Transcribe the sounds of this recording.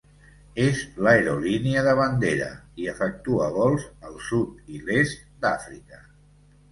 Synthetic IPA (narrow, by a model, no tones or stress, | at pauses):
ezləeɾoliniəðəβənd̪eɾə̰iəfək̚t̪uəβ̞ɔlˠzəlˠsut̪ilest̪d̪afɾikə